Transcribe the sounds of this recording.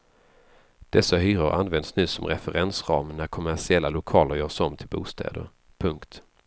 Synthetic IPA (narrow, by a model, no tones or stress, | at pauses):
d̪̥ɛsːaɦyːɾʊɾʔanːvɛnd̪snʉ̟ːsɔmɾɛfəɾɛnsɾɑːmnæɾkʰɔmæʂɪɛlːalʊkʰɑːləɾjœːʂɔmt̪ʰɪlbṵːst̪ʰɛ̰ːd̪ə̰ɾ | pʰɵŋkt̪